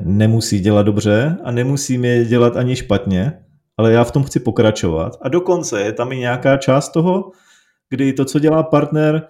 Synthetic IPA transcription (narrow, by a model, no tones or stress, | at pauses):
nɛmusiːɟɛlad̪do̞br̝ɛanɛmusiːmjɛɟɛlat̪aɲɪʃpat̪ɲɛ | ʔalɛjaːft̪o̞mxt͡sɪpo̞kɾat͡ʃova̰t̪ado̞ko̞nt͡sɛjɛt̪amɪɲɛakaːt͡ʃaːst̪t̪ːo̞ɦo̞ | ɡ̥dɪt̪o̞t͡so̞ɟɛlaːpaɾt̪nɛɾ